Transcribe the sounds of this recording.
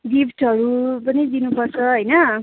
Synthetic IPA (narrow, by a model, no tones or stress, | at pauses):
ɡipʈʰʌɾupʌnid͡zinupʌrt͡sʰʌɦʌjnʌ